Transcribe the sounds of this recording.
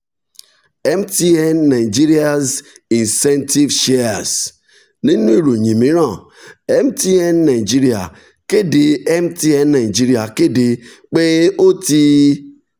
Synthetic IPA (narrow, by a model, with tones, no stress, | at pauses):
ɛ˦m˦ti˦e˦nːa˨ɪ˨d͡ʒi˦ɾi˦a˦z | i˨nsɛ˦nti˦vʃe˦a˨s | ni˦nu˦i˦ɾo˨ɲi˨mi˨˦ɾɔ˦˨ | ɛ˦m˦ti˦e˦n˦na˨ɪ˨d͡ʒi˦ɾi˨a̰˨ | ke˦de˨ɛ˦m˦ti˦ɛ˦n˦na˨ɪ˨d͡ʒi˦ɾi˨a˨ke˦de˨k͡pe˦o˦ti˦